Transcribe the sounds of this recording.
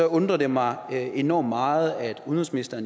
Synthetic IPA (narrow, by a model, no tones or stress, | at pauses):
ɒɔ̽nd̥ʁɐd̥emɑ̈ɪe̝nɒ̰ːmːɑ̈ːð̞̩ˠæd̥uðnɐsminisd̥ɐn